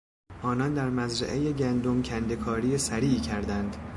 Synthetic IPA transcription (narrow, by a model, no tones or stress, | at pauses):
ʔɒːnɒnd̪æɾmæzɾæ̰ʔejeɟʲænd̪omcʰænd̪e̞kʰɒːɾiːjesæɾiːcʰæɾd̪ænd̪̥